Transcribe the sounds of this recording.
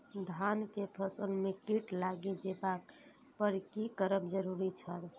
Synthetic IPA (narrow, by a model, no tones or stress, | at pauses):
d̪ʱankepʰəsəlmekiʈlaɡed͡ʒebak | pəɾkikəɾəbd͡ʒəɾuɾit͡ʃʰəl